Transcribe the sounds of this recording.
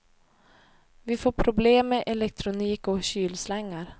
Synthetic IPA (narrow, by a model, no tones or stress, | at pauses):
vɪfoːɾpʰɾʊbleːmːeʔɛlɛk̚t̪ʰɾʊniːkɔɕyːlslɛŋːaɾ